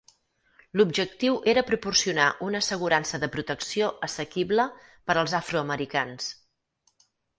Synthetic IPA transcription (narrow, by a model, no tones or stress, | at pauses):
lubʒək̚t̪iwʔeɾəpɾupursiunaʔunəsəɣuɾansəðəpɾut̪əksioəsəkiβlə | pəɾəlˠzafɾuəməɾikans